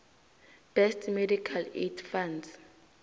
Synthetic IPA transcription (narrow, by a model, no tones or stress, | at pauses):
b̥ɛstʰmedikʰaledfands